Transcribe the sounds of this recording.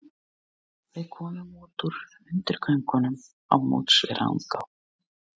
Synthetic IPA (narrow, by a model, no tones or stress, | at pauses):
vɪðkʰɔːmʏmuːt̪uɾ | ʏnt̪ɪɾ̥kʰvœjŋkɔnʏm | awmo̰ːwt̪svɛɾa̰nkaw